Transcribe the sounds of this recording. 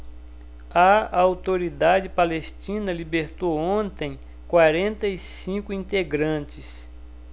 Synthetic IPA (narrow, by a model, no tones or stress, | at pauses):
ɐawt̪oɾid̪ad͡ʒɪpalest͡ʃĩnɐlibeɾt̪owõnt̪ẽj̃ | kwaɾẽnt̪ɐisĩkʊĩnt̪eɡɾɐ̃t͡ʃɪs